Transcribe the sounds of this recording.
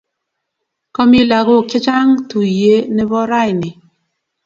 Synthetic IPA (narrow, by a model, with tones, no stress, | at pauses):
kɔ˦mi˦la˨ɣo˦˨ki˦t͡ʃa˦ŋtu˨je˨˦ne˦bɔ˦ɾa˦i˨ni˨